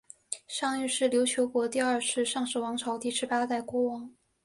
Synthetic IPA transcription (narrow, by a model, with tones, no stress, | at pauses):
ʂɑ˥˧ŋy˥˧ʂɻ̩˥˩ljo˧˥ʊt͡ɕʰjo˧˥ʊkwɔ˧˥t̪i˥˧ɐ˞˥˧ʂʰɻ̩˥˧ʂɑ˥˧ŋʂɻ̩˥˩wɑ˧˥ŋʈ͡ʂʰɑ˧˥ʊt̪i˥˩ʂɻ̩˧˥pa˥t̪a˥˩ɪkwɔ˥wɑ˧˥ŋ